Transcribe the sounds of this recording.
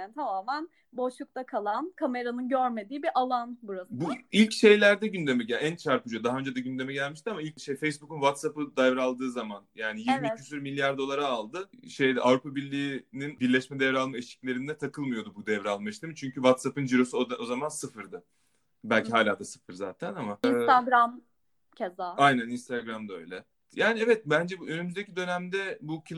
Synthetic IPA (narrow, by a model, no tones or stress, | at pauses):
nt̪ʰamaːmæn | bo̞ʃlˠuk̚t̪akʰalˠankʰame̞ɾanɯnɟøɾme̞d̪iːbiʔalˠanbuɾabuilʲcʃe̞jlʲæɾd̪ɛɟynd̪e̞mɛɟæænt͡ʃʰaɾpud͡ʒud̪aɦaø̞nd͡ʒed̪ɛɟynd̪emɛɟælʲmiʃt̪ʰiamailʲcʃejfejsbukunvat̪sapɯd̪ajvɾalˠd̪ɯːzamanjaːnijiɾimiysyɾmilʲːjaɾd̪o̞lˠaɾaːlˠd̪ɯʃe̞jd̪iʔavɾupabiɾlʲiːninbiɾlʲɛʃmɛd̪ɛvɾɛalˠmaeʃi̥clʲe̞ɾind̪ɛt̪ʰakɯlˠmɯjo̞d̪ubud̪ɛvɾɛalˠmɯʃt̪imit͡ʃʰyɲcyvat̪sapɯnd͡ʒiɾo̞suoo̞zamansɯfɯɾd̪ɯ | bælʲcʰiɦaːlʲaːd̪asɯ̥fɯɾzaːt̪ʰænamait̪aɡɾam | cʰezaajnæninst̪ʰaɡɾamd̪aø̞̰jlʲɛ | jaːniɛvɛt̪̚bænd͡ʒɛbø̞nymyzd̪e̞cʰid̪ø̞næmd̪ɛbucʰi